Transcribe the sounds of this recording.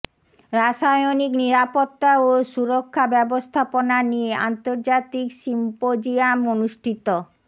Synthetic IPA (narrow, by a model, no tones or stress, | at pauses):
ɾaʃajonikniɾapot̪ːaoʃuɾokʰːabɛbost̪ʰaponanieʔa̰nt̪oɾd͡ʑat̪ikʃimpod͡ʑiamonuʃʈʰit̪o